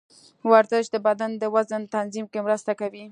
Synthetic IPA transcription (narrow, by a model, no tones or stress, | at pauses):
waɾzəʃd̪əbad̪and̪əwazənt̪anzimkemɾəst̪akawi